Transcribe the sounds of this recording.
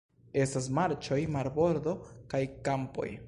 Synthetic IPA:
e̞stas̬maɾt͡ʃo̞jmaɾbo̞ɾd̪o̞kajkampo̞̰j

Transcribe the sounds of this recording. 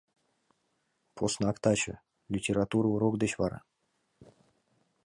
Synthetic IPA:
pʰosnakt̪at͡ɕə̰ | lʲitʲeɾat̪uɾuɾokd̪eɕvɑɾa̰

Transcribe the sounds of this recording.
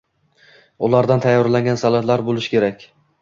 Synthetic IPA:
ʊlˠaɾd̪ant̪ʰajːɒɾlaŋɡʲansalad̪laɾbolˠɪʃkʲe̞ɾakʲ

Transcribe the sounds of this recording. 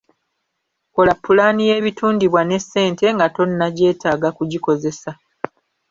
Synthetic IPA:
ko̞lapːulaːnije̞ːβitʰuːndiβwane̞se̞ːnte̞ŋɡato̞nːaɟe̞ːtaːɡakuɟiko̞ze̞sa

